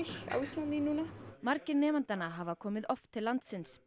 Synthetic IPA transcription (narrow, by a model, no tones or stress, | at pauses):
xa̰wismaninũːnamaɾcɪɾnɛːmant̪anaɦavakʰɔːmɪðɔft̪ʰːɪlːant̪sɪns